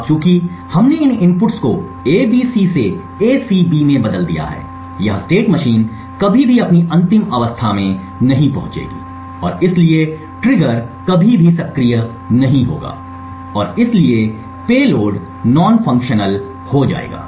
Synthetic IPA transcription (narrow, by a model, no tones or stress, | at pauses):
t͡ʃjũːki | hɐmneɪnɪ̃mpʊʈsko | eːbiːsise | eːsiːbiːmẽbɐd̪əld̪ḭja̰ɦɛ̰ː | jɐɦsʈeːʈmɐʃiːn | kɐbʱibʱiɐpniʔɐ̃nt̪ɪmɐʋəst̪ʰamẽ | nɐɦĩpɐɦʊ̃t͡ʃḛːɡḭː | ɔ̰ːɾɪslie | ʈɾɪɡəɾkɐbʱibʱisɐkɾijə | nɐɦĩɦo̰ːɡa̰ː | ɔːɾɪslie | peːloːɖ | nɔːnfɐ̃ŋkʃənəl | hod͡ʒa̰ːḛːɡa̰ː